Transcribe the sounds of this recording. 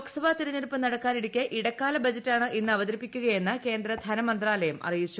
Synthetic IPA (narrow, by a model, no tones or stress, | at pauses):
ksɐʋaːt̪iɾɐɲːiɾpːɨnɐɽɐkːaːniɽikʲːɐʔiɽɐkːaːlɐbɐd͡ʑɐtːaːɳɨʔinːɨɐʋɐd̪ɐɾipːikʲːuɣɐje̞nːɨke̞ːnd̪rɐd̪ʱɐnɐmɐnd̪raːlɐjɐmʔɐ̰rijit͡ɕːu